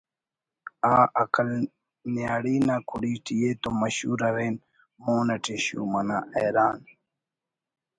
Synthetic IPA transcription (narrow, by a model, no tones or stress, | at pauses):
aːʔɐkɐl | njaːɽiːnaːkuɽiːʈijeːt̪omɐɕuːɾɐɾen | moːnɐʈeɕṵːmɐnaejɾaːn